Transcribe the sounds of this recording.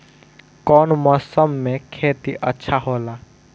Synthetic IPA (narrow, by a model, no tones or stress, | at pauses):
kɔːnmɔsəmːẽkʰeːt̪iʔətːʃʰaɦoːla